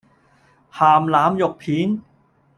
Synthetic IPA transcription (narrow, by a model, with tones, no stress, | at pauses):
haː˨˩mlaː˨˦˥mjo˨˩k̚pʰiː˨˦˥n